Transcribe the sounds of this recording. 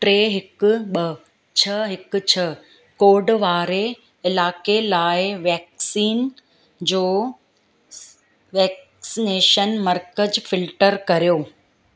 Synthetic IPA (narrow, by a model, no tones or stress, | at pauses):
ʈɾeːɦɪkʊ̆ɓɐ | t͡ɕʰɐɦɪkʊ̆t͡ɕʰɐ | koːɖʋaːɾe | ɪlaːkelaːɪʋɛːksiːn | d͡ʑoː | ʋɛːk | sɪneːʃənmɐɾkəd͡ʑfɪlʈəɾkɐɾijoː